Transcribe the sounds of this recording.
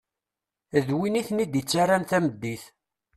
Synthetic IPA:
ðwiniθnid̪ət͡sːaɾanθæməd̪ːiθ

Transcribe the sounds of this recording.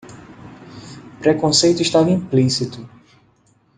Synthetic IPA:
pɾekõsejt̪uiʃt̪avɐĩmplisit̪u

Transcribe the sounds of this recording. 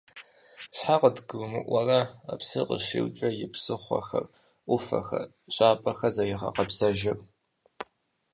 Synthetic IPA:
ɕħaqədɡɨwmɨʔʷɐrɐa̰psɨqə̰ʃɪ̰wt͡ʃʼɐjɪpsɨχʷɐ̰xɐ̰r | ʔʷʊfɐ̰xɐ | ɕʼaːpʼɐxɐzɐjɪʁɐ̰qɐpsɐʒɪpʼ

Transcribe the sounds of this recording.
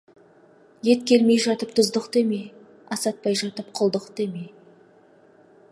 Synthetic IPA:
je̞t̪kʲʰe̞lme̞jʒɑt̪əp̚t̪ʰʊzd̪əqt̪emej | ɑsɑt̪̚pɑjʒɑt̪əp̚qʰʊlˠd̪əqt̪eme

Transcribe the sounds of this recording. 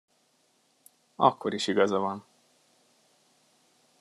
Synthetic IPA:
ɒ̰kːo̞ɾiʃiɡɒzɒvɒn

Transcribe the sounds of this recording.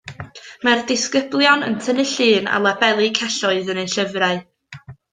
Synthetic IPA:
mardɪskəblˠjɔnə̰ntʰənɪɬɨːna̰lˠabɛlˠikʰɛɬɔɨðənejɬəvraɨ

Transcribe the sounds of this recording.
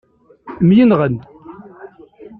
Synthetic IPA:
mjənʁənd̪

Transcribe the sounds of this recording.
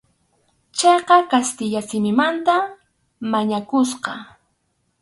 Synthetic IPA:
t͡ʃejqɑkast̪ɪʎasɪmɪmant̪a | maɲakʊsqɑ

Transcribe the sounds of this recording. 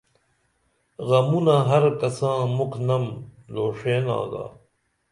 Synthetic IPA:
ɣɐmunaɦɐɾkɐsãːmuknɐmloːʂeːnã̰ːɡa̰ː

